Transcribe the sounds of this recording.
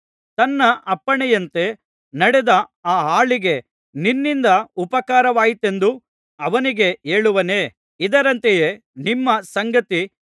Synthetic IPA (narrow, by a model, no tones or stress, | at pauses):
t̪ɐnːɐʔɐpːɐɳɛjɐnt̪e̞ | nɐɽɛd̪ɐaːɦaːɭiɡe̞ | ninːind̪ɐupɐkaːɾɐʋaːjit̪e̞nd̪u | ɐʋɐniɡe̞eːɭuʋɐne̞ː | id̪ɐɾɐnt̪ejeː | nimːɐsɐŋɡɐt̪i